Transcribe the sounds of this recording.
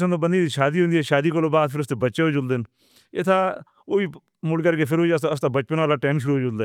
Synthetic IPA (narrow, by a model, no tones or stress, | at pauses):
sənoːbənd̪iːd̪iʃaːd̪iːɦõnd̪iɛːʃaːd̪iːkoloːbaːd̪pʰɪɾʊst̪eːbətːʃeɦoːd͡ʒʊld̪ɪn | ɪt̪ʰaː | oːiː | mʊlkəɾkeːpʰɪɾɦoːid͡ʒasəst̪aːbət͡ʃpənʋaːlaːʈɛːmʃ̬ʊɾuːɦoːd͡ʒʊld̪aː